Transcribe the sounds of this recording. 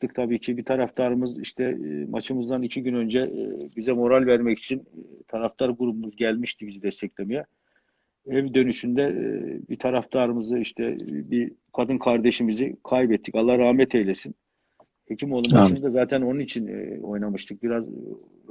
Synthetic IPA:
t̪ːɯkt̪ʰabiːcʰibit̪ʰaɾaft̪ʰaɾɯmɯzḭʃt̪ʰɛmʔat͡ʃʰɯmɯzd̪anicʰiɟynø̞nd͡ʒɛbizɛmo̞ɾalʲvæɾmɛci̥t͡ʃʰint̪ʰaɾaft̪ʰaɾɡuɾubumuzɟælʲmiʃt̪ibizid̪ɛst̪ʰɛclʲemijɛ | ɛvd̪ø̞nyʃynd̪ɛbit̪ʰaɾaft̪ʰaɾɯmɯzɯiʃt̪ʰɛ̰bikʰad̪ɯnkʰaɾd̪e̞ʃimizikʰajbɛt̪ʰːicalˠːahaɾaːmɛt̪ʰejlʲesin | hecʰimo̞lˠumt͡ʃʰind̪azaːt̪ʰæno̞nunit͡ʃʰin̰o̞jnamɯʃt̪ʰɯk̚biɾaz

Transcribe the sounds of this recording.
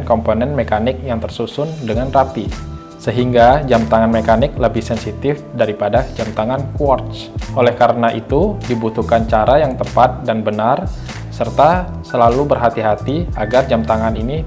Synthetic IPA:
nkomponɛnmekanɪk̚jaŋt̪ərsusʊndəŋanrapi | səɦiŋɡad͡ʒamt̪aŋanmekanɪk̚ləbɪhsɛnsit̪ɪfdaɾipadad͡ʒamt̪aŋankwɔrt͡ʃ | ʔolɛhkaɾənaʔit̪udibut̪uhkant͡ʃaɾajaŋt̪əpat̪̚danbənar | sərt̪a | səlalubərɦat̪iɦat̪iaɡard͡ʒamt̪aŋanini

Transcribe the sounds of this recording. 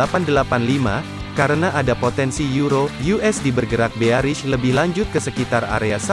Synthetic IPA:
apandəlapanlima | kaɾənaʔadapot̪ɛnsijuɾojuʔɛsdibərɡəɾak̚beaɾɪʃləbɪhlaɲd͡ʒʊt̪̚kəsəkit̪ara̰ɾeasa

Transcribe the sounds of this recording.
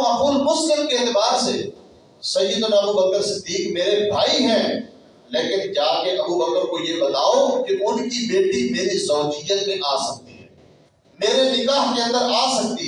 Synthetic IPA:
ɐpuːlmʊslɪmkeɪːt̪ɪbaːɾse | sɐjːəd̪ʊnɐbubəkəɾsɪd̪ːiːkmeːɾebʱaːiɦɛ̃ː | leːkɪnd͡ʒaːkeʔɐbubəkəɾkojebɐt̪aːokeʔʊnkibeːʈimeːɾisɔːt͡ʃijət̪mẽʔaːsɐk̚t̪iɦɛ̰̃ː | meːɾenɪkaːɦkeə̃nd̪əɾaːsɐk̚t̪iː

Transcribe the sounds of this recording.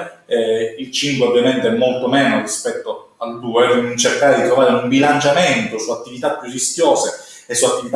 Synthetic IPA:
ɛilt͡ʃiŋkweovjament̪eɛmːolt̪omɛːnorispɛt̪ːo | ald̪uːept͡ʃerkaːɾed̪it̪ɾovaːɾeumbilant͡ʃament̪osuat̪ːivit̪apːjurːisk̟ʲjoːse | esːuat̪ːivit̪

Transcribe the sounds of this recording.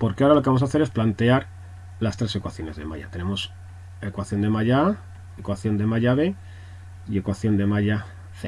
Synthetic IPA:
poɾkeaoɾalokeams̬aθe̞ɾe̞splant̪e̞aɾ | last̪ɾe̞se̞kwaθjo̞ne̞zðe̞̰ma̰ʎa̰t̪e̞ne̞mos | e̞kwaθjo̞nd̪e̞maʎaa | ekwaθjo̞nd̪e̞maʝaβe̞ | ie̞kwaθjo̞nd̪e̞maʎa | θe

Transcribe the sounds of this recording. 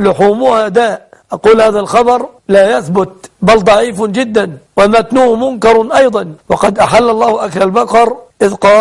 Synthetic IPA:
lʊħuːmʊhad̪aːʔʔɑquːlhaːðalxɑbɑɾˤlaːjaθbʊt̪̚bald̪ˤɑʕiːfd͡ʒɪd̪ːanwamat̪nuːhmʊnkɑɾˤʔɑjd̪ˤɑnwɑqɑd̪ʔaħalːɑlˤːɑːhʊʔaklalbɑqɑɾˤʔɪðqɑː

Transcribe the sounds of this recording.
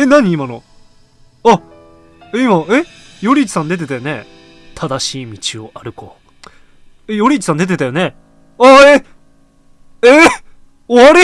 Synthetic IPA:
enaɲ̟iːmano | a | eimaejo̞ɾʲit͡ɕi̥sãnd̪e̞t̪e̞t̪ajone̞ | t̪ʰad̪aɕiːmʲit͡ɕio̞ʔaɾɯ̟ko̞̰ | ejoɾʲit͡ɕi̥sãnd̪e̞t̪̬e̞t̪ajo̞ne̞ | ae | e | oaɾe

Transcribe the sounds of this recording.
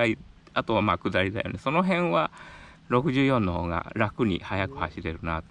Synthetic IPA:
ai | at̪o̞βamaːkɯ̟d̪aɾʲid̪ajo̞̰ne̞sono̞ɦẽ̞ɰ̃βa | ɾo̞kɯ̟ʑɨːjõ̞nːoho̞ːɡa̰ɾakɯ̟ɲ̟ḭhajakɯ̟haɕiɾe̞ɾɯ̟nat̪o

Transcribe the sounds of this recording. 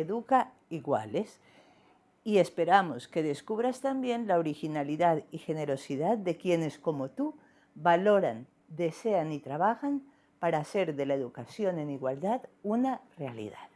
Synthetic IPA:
eðuka | iɣwa̰les | ie̞spe̞ɾamoske̞ðe̞skuβɾast̪ambje̞nlaoɾixinaliðaðixe̞ne̞ɾo̞siðaðd̪e̞kje̞ne̞sko̞mo̞t̪u | βalo̞ɾan | d̪e̞se̞anit̪ɾaβ̞axan | paɾaːse̞ɾðe̞laeðukasjo̞ne̞niɣwald̪aðunarealḭðað

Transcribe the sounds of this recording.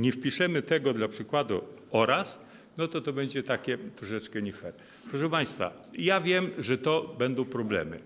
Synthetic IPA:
ɲɛfpʲiʂɛmɘt̪ɛɡɔd̪lapʂɘkwad̪ṵɔɾas | nɔt̪ɔt̪ɔbɛɲd͡ʑɛt̪akʲɛt̪ɾɔʂɛt͡ʂkɛɲɛfɛɾ | pɾɔʂ̬ɛpaj̃st̪fa̰ | javʲjɛmʐɛt̪ɔbɛnd̪ɔ̃w̃pɾɔblɛ̰mɘ̰

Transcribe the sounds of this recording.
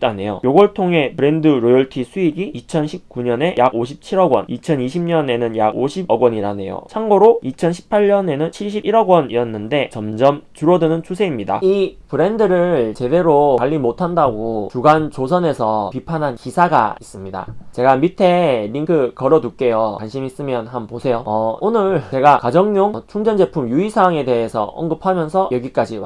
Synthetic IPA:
t͈anejo̰joɡʌɭtʰoŋɦe̞pɯɾe̞ndɯɾojʌɭtʰisʰuiɡiːt͡ɕʰʌnɕʰip̚k͈uɲʌne̞jaɡoɕʰi̥p̚t͡ɕʰiɾʌɡwʌ̰nit͡ɕʰʌniɕʰimɲʌne̞nɯnjaɡoɕʰibʌɡwʌɲiɾane̞̰jo̰t͡ɕʰaŋɡoɾoit͡ɕʰʌnɕʰi̥pʰaʎɲʌne̞nɯnt͡ɕʰiɭɕ̬ʰibiɾʌɡwʌnijʌnːɯnde̞t͡ɕʌmd͡ʑʌmt͡ɕuɾʌdɯnɯnt͡ɕʰusʰe̞imɲida̰ipɯɾe̞ndɯɾɯɭt͡ɕe̞de̞ɾoaʎːimotʰandaɡot͡ɕuɡant͡ɕosʰʌne̞sʰʌpipʰanɦankisʰaɡa̰is͈ɯmɲida̰t͡ɕe̞ɡamitʰe̞ɾiŋkʰɯkʌɾʌduk̚k͈e̞jʌwanɕʰimis͈ɯmjʌnɦanposʰe̞joʌonɯɭt͡ɕe̞ɡakad͡ʑʌŋɲjoŋt͡ɕʰuŋd͡ʑʌnd͡ʑe̞pʰumjuisʰaŋe̞de̞ɦesʰʌ̰ʌ̰ŋɡɯpʰamjʌnsʰʌjʌɡik͈ad͡ʑi

